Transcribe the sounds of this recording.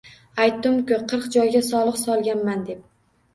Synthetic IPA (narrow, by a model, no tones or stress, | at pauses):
ajt̪ːʊmkʲʊqʰɨɾqd͡ʒɒjɡʲasɒlˠɨqsɒlˠɡʲanmand̪e̞p̚